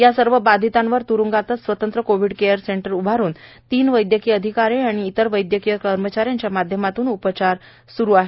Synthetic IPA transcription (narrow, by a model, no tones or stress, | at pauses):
jasəɾʋəbad̪ʱit̪ãnʋəɾt̪uɾuŋɡat̪ət͡ssʋət̪ənt̪ɾəkoʋiɽkejəɾseɳʈəɾubʱaɾuːn | t̪iːnʋəjd̪jəkiːəd̪ʱikaɾeaɽ̃iːt̪əɾʋəjd̪jəkijəkəɾmət͡ɕaɾjaɲt͡ɕjamad̪ʱjəmat̪uːnupət͡ɕaɾ | suɾuaɦe